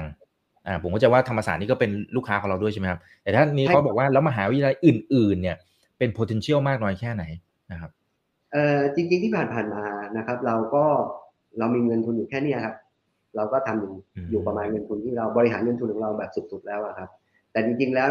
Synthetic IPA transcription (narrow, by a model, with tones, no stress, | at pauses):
ŋ | ʔaː˨˩pʰo˨˩˦mʰkʰːt͡ɕa˧waː˥˩t̪ʰa˧mːa˧saː˨˩niː˥˩kɔː˥˩pe˧nluː˥˩kʰaː˦˥ɔː˨˩˦ɾa˧wdu˥˩t͡ɕʰa˥˩m˦˥kʰa˦˥p̚t̪ɛː˨˩t̪ʰaː˥˩niː˦˥kɔː˦˥bɔː˨˩k̚waː˥˩lɛː˦˥wma˧ɦaː˩˦wt̪jla˧jʔɯː˨˩nʔɯː˨˩nːi˥˩ɐ | pe˧npʰoː˧t̪ʰe˧nt͡ɕʰi˥˩əwmaː˥˩k̚nɔː˦˥jkʰɛː˥˩na˩˦j | na˦˩kʰa˦˥p̚ | ʔɤː˨˩t͡ɕi˧ŋt͡ɕi˧ŋt̪ʰiː˥˩pʰaː˨˩npʰaː˨˩nmaː˧na˦˥kʰɾa˦˥p̚ɾa˧wkɔː˥˩ | ɾa˧wmiː˧ŋɤ˧nt̪ʰu˧njuː˨˩kʰɛː˥˩niː˥˩kʰa˦˥p̚ | ɾa˧wkɔː˥˩t̪ʰa˧mju˨˩˧juː˨˩pɾa˧maː˧nŋɤ˧nt̪ʰu˧nt̪ʰiː˥˩ɾa˧wbɔː˧ɾi˧˥ɦaː˩˦nŋɤ˧nt̪ʰu˧nkʰɔ˨˩˦ɾa˧wbɛː˨˩p̚su˨˩t̪̚su˨˩t̪̚lɛː˦˥wʔa˨˩kʰa˦˥p̚ | t̪ɛː˨˩t͡ɕi˧ŋt͡ɕi˧ŋlɛː˦˥w